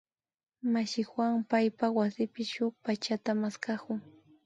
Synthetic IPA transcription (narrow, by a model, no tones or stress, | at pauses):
maʃɪxwaŋpajpawasɪpɪʃʊk̚pat͡ʃat̪amaskakʊŋ